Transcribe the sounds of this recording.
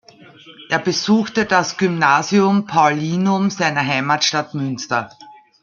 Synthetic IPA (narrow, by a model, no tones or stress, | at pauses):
ʔeːɐbəzuːxtədasɡ̥ymnaːziʊmpʰaʊliːnʊmzæɪnɐɦaɪmatʃtatmʏnstɐ